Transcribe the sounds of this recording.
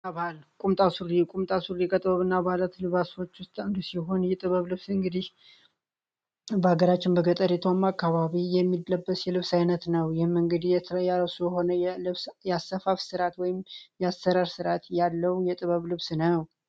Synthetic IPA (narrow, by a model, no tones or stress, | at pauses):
aβalkʼumt̪ʼasuɾikʼumt̪ʼasuɾikʼət̪ʼɨβəβɨnːabalat̪lɨβaso̞t͡ʃːwʊst̪ʼɨnd̪əsiɦo̞njɛt̪ʼɨβəβlɨβsɨŋɡɨd̪ih | bəaɡəɾat͡ʃːɪnbəɡət̪ʼəɾet̪ʰomːakʰːaβaβijɛmːid̪ləbːəsjɛlɨβsajnət̪nəwjɪhmːɨŋɡɨd̪ijɛjaɾasujɛho̞nəjɛɨβsjɛasːəfafsɨɾat̪wɔjɪmjɛasːəɾaɾsɨɾat̪jalːəwjɛt̪ʼɨβəβlɨβsnəw